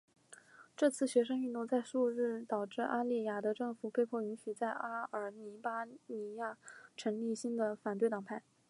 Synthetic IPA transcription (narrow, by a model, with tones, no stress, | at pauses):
ʈ͡ʂɤ˥˧t͡sʰɹ̩˥˩ɕɥɛ˧˥ʂ̬ɤ˥ŋy˥˧t̪ʊ˥˧ŋt͡sa˥˧ɪʂu˥˧ɻɻ̩˥˩t̪ɑ˨˩ʊʈ͡ʂɻ̩˥˧ʔa˥li˥˩ja˨˩d̪ə˧˦ʈ͡ʂɤ˥˩ŋfu˨˩pʰe˥˧ɪpʰwɔ˥˩y˧˥nɕy˨˩t͡sa˥˩ɪʔa˥ə˞˨˥ni˧˥pa˥ni˧˥ja˥˩ʈ͡ʂʰɤ˧˥ŋli˥˩ɕi˥nd̪ə˨fa˨˩nt̪wɪt̪ɑ˨˩ŋpʰa˥˩ɪ